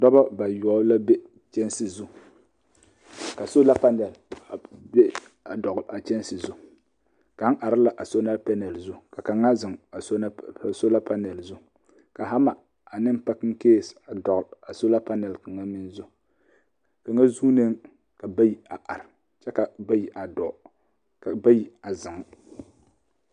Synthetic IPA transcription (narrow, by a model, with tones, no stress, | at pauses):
dɔ˦ba˦ba˨jɔ˨˦la˦bɛ˦ | t͡ʃɛ˦nsɨ˨zʊ˦ | ka˨so˦la˦pa˦nɛ˨lbe˦ | a˨dɔ˨ɡʊ˨la˨t͡ʃɛ˦n˦sɨ˨zʊ˦ | ka˨˦ŋʔa˨ɾɪ˦la˨ʔa˨so˦na˦lpa˦nɛ˨lzʊ˦ka˨ka˨ŋa˦zɪ˨ŋa˨sso˦la˦pa˦nɛ˨lzʊ˦ | ka˨ɦa˦ma˨ | a˨nɨ˦m˦pa˦kɨ˦ŋ˦keː˦˨sa˨dɔ˨ɣla˨so˦la˦pa˦nɛ˨lka˨ŋa˦mɨ˦nzʊ˦ | ka˨ŋa˦zuː˦ne˦ŋ | ka˨ba˦ji˦a˨ʔa˨ɾ | t͡ʃɛ˦ka˨ba˦ji˨ʔa˨dɔ˨ | ka˨ba˦ji˨a˨zɪ˨ŋ˦